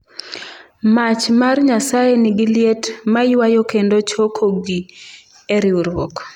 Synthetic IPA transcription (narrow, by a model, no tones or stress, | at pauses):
mat͡ʃmarɲasajeniɡiljetmaiwajokendot͡ʃokʰoɡi | eɾɪuɾwɔk